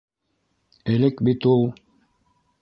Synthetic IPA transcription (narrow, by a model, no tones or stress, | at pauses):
ɘ̆lɘkbit̪ulˠ